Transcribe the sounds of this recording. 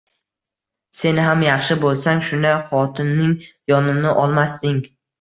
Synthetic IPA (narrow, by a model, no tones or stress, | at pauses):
se̞nɪɦamjɑχʃɪbolˠsaŋʃʊnd̪ajχɒt̪ʰɪnːɪŋjɒnɪnɪʔɒlˠmast̪ɪŋ